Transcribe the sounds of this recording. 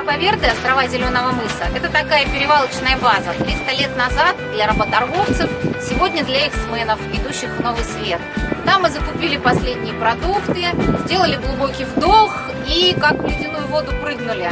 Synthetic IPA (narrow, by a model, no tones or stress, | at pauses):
bɐvʲe̞rd̪ɨɐst̪ɾɐvazʲɪlʲo̞nəvəmɨsəʔɛt̪ət̪ɐkajəpʲɪɾʲɪvalˠət͡ɕnəjəbazət̪ɾʲist̪əlʲe̞t̪nɐzat̪̚d̪lʲɐɾəbət̪ɐrɣo̞ft̪sɨfsʲɪvo̞dʲnʲəd̪lʲɐiksmɛnəfɪd̪uɕːɪxno̞vɨjsvʲe̞t̪t̪ːamːɨzəkʊpʲilʲɪpɐsʲlʲedʲnʲɪjəpɾɐd̪ukt̪ɨzʲdʲe̞lˠəlʲɪɡlˠʊbo̞kʲijvd̪ox | ikakvlʲɪdʲɪnujʊvo̞d̪ʊpɾɨɡnʊlʲɪ